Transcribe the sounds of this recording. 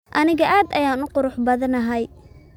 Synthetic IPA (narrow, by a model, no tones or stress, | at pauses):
ʔɐnɪɣɐʔaːd̪ɐjaːnʊqʊɾʊħbɐðɐnɐɦɐj